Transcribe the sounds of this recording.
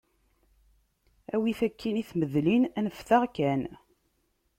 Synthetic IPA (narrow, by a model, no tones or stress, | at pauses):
æwiθækːiniθməðlinænəfθaʁkæn